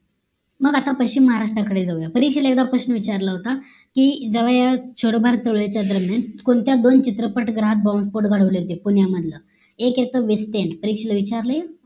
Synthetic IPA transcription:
məɡat̪apəɕiːməɦaɾaʂʈɾakəɽed͡zaujapəɾikɕeləek̚d̪apɾəɕnəʋit͡ɕaɾlaɦot̪a | kiːd͡zəʋajaɕoɽbʱaɾt͡səɭɭet͡ɕjad̪əɾmjankoɳt̪jad̪ont͡ɕit̪ɾəpəʈɡɾaɦat̪̚bɔ̃spoɾʈɡʱaɽ̤əʋliɦot̪ipunjaməd̪ʱlə | ekjet̪əʋisʈeɳʈpəɾikɕələʋit͡ɕaɾləja

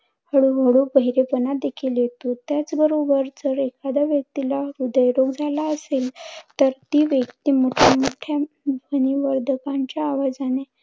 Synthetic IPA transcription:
həɭuɦəɽubəɦiɾepənad̪ekʰiljet̪ot̪jat͡sbəɾobəɾd͡zəɾekad̪aʋjək̚t̪ilaɾud̪əjɾoɡd͡zʱalaəselt̪əɾt̪iːʋjəkt̪iːmoʈʰamoʈʰja | bʱəniʋəɾd̪ʱəkãɲt͡ɕjaːʋad͡zane

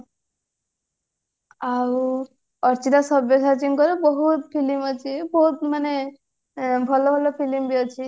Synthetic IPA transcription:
aw | ɔɾt͡ʃiɾasɔbjɔsat͡ʃinkɔɾebɔɦut̪pʰilimɔt͡ʃʰibɔɦut̪mane | bʱɔlɔbʱɔlɔpʰilimbiɔt͡ʃʰi

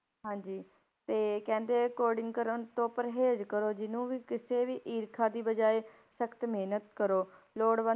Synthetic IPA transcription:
ɦãːɲd͡ʒiː | t̪eːkɛ̃ːnd̪eːkoːɾɖɪ̃ŋɡkəɾənt̪õːpəɾɦeːd͡ʒkəɾoːd͡ʒɪnũːʋiːkɪseːʋiːʔiːɾkʰaːd̪iːbəd͡ʒaːeː | səkt̪meːnət̪̚kəɾoː | loːɽʋə

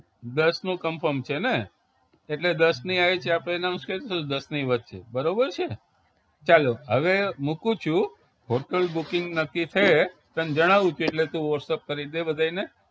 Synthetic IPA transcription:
d̪əsnũkəmfəɾmt͡ʃʰeneː | ʈled̪əsniaet͡ʃʰeapenamsket̪od̪əsniʋət̪t͡ʃʰḛbəɾobəɾt͡ʃʰe | t͡ʃaloɦəʋemukũt͡ʃʰũ | ɦoɾʈəlbukɪŋɡnəkːit̪ʰəet̪ənd͡ʒəɽ̃aʋũt͡ʃʰueʈlet̪ũʋəʈsep̚kəɾid̪ebəd̪ʱaine

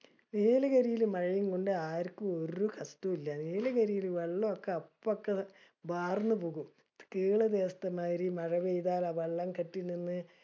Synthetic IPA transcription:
ʋeːlɐɣɐɾijilmɐɻɐjuŋkoɳɖɨaːɾkːɨo̞ɾukɐst̪uilːɐʋeːlɐkɐɾijilʋɐɭːɐokːeɐpːokːe | bʱaːrnːɨpuːɣum | kiːɭɐd̪eːst̪ɐmaːɾimɐɻɐʋejðaːlaːʋɐɭːɐŋkɐʈːininːɨ

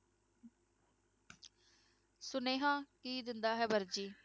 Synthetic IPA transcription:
sʊnẽːɦãːkiːd̪ɪnd̪aːɦɛːbəɾd͡ʒiː

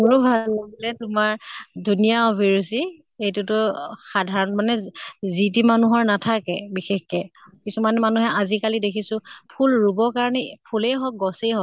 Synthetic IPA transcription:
ɔɹubʱalobilɛtʊmaɹdʱunijaɔbʱiɹusi | ejtutʊxadʱaɹɔnmanɛzitimanuɦɔɹnatʰakɛbixexkɛkisumanmanuɦɛazikalidekʰisʊ̃pʰulɹubɔkaɹɔnɛpʰulejɦɔk̚ɡɔsejɦɔ

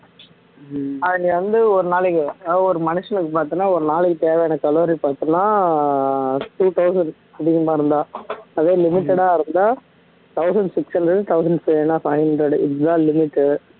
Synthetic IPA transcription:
ɐðɐnĩʋɐnd̪ɯɔɾɯnaːɭɪkːɯɔɾɯmɐnɪʂɐnɯkːɯpaːɾt̪ɯnaːɔɾɯnaːlɪkːɯt̪eːʋɛjaːnɐkɐloːɾipaːɾt̪ɯŋɐnaː | ʈuːʈ̪ɐʊsɐɳɖ | ɐpɽɪŋɡɐmaːɪɾɯnd̪aːɐðeːlɪmɪʈːɛɽaːɪɾɯnd̪aː | t̪ɐʊsɐɳɖsɪksɐɳɖɾɛɖt̪ɐʊs̬ɐɳɖfɐɪnːaːfɐɪɦɐndɾɐɖɪʈd̪ãːlɪmɪʈː

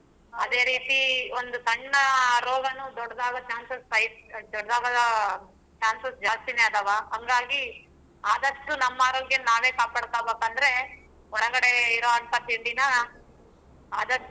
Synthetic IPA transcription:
ɐd̪e̞ːɾiːt̪iond̪ut̪ɐɳːɐɾɔːɡɐnud̪ɔɽːɐd̪aːʋɐt͡ʃaːnsɐsɐjd̪ɔɽɐd̪aːɡɐd̪ɐ | t͡ʃaːnsɐsd͡ʒaːst̪ineɐt̪ɐʋaːɦɐŋɡaːɡi | aːd̪ɐʂʈːunɐmːaːɾɐlɡenaːʋeːkaːpaːɽt̪aːbeːkɐnd̪ɐɾe̞ | ɔɾɐɡɐɽeiɾoːɐnt̪ɐt̪iɳɖinɐ | aːd̪ɐ

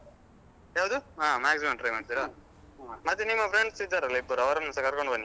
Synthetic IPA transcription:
jaːwd̪uaːmaːɡsimɐ̃mʈɾɐjmaːʈid̪iɾoː | mɐd̪ːenimːɐpʰɾeɳɖsid̪ːaɾɐlːiibːɐɾɐʋɐɾɐmnɐsɐkɐɾkoɳɖbɐnːi

